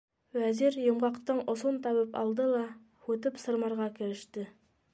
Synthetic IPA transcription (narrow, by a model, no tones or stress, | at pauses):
wæziɾjŏɴʁɑqt̪ɤɴŏsunt̪ʰɑβɤpɑ̰lˠd̪ɤlˠɑ | wɵt̪ɘpsɤ̆ɾmɑɾʁɑkʲɘ̆ɾɘ̆ʃt̪ɘ